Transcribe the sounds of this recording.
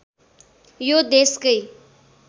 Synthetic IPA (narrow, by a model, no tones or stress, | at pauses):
joːd̪eːskəi